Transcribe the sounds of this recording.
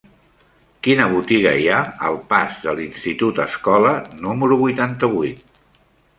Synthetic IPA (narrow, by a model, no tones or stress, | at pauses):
kinəβ̞ut̪iɣə̰iaə̰lˠpazðəlinst̪it̪ut̪ə̰skɔlənuməɾuβujt̪ant̪əβujt̪̚